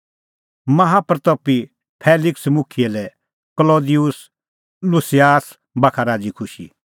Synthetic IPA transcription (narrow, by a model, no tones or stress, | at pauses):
mɐɦapɾt̪opːi | pʰeːlɪksmʊkʰiɛlɛ | kloːd̪ijʊs | lʊsijaːs | bakʰaɾaːd͡ʒikʰʊʃḭ